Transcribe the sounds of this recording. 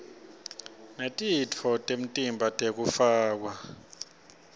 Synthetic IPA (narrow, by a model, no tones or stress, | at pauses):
netʼitʰɔtʼem̩tʼimbʱatʼek̬ʼufaːk̬wa